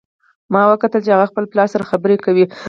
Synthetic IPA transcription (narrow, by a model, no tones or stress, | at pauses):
mɑwəkat̪əlt͡ʃehaɣaxpəlplɑsaɾaxabəɾekawi